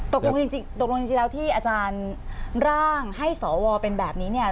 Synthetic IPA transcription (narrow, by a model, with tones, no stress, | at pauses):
t̪o˨˩k̚lo˧ŋt͡ɕi˧t͡ɕi˧ŋt̪o˨˩lo˧ŋt͡ɕi˧t͡ɕi˧lɛː˦˥wt̪ʰiː˥˩ʔaː˧t͡ɕaː˧nɾaː˥˩ŋha˥˩jsɔː˩˦wɔː˧pe˧nbɛː˨˩p̚niː˦˥ni˥˩ɐ